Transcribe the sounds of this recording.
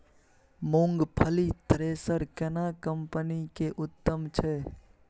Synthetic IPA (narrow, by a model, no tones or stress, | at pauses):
mõːŋɡpʰəlit̪ʰɾeːsəɾkɛnakəmpənikeʔʊt̪ːəmt͡ʃʰɛ